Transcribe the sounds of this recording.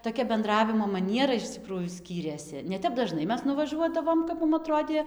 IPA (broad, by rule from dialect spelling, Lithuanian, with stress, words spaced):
toːˈkʲɛ bʲɛnˈdrɑːʋʲɪmoː mɐˈnʲiɛrɐ ɪʃ ˈt͡sʲɪkruːjuː ˈsʲkʲiːrʲeːsʲɪ nʲɛ ˈtʲɛp dɐˈʒnɐɪ ˈmʲɛs nʊʋɐˈʒuɔdɐʋoːm kɐp ˈmʊm ɐˈtroːdʲeː